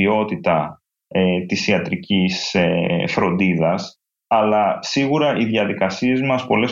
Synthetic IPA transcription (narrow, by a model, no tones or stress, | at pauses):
io̞t̪it̪ɐ | et̪isiɐt̪ɾicisefɾo̞nd̪iðɐs | ɐlɐsiɣuɾɐʔiðʝɐðikɐsie̞zmɐspo̞le̞